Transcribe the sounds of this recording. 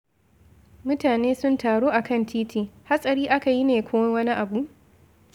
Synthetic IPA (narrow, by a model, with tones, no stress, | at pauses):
mʊ˦taː˨neː˦sʊ˦ntaː˨ɽoː˦ʔa˨kɐ˦˨ntʰiː˦tiː˨ha˦sʼɐ˨ɾiː˦ʔa˦ka˨ji˦neː˨kʷʰoː˦wɐ˦wɐ˦ni˦ʔa˨bu˦ʔ